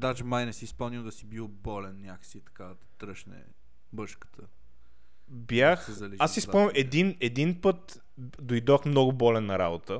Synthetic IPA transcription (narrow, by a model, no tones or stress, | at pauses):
d̪ad͡ʒɛmajnɛsiispɤlˠnʲiwˠd̪ɐsibilˠbɔlɛnnʲakə̥sit̪ɐ̥kad̪ɐt̪ɾɤʃnɛ̰ | bɤʃkə̥t̪ʰə | bjaxɛzɐliasisɤlˠnʲiɛd̪inɛd̪inpɤt̪ | d̪ojd̪ɔxmnɔɡʊbɔlɛnːɐɾa̰bot̪ə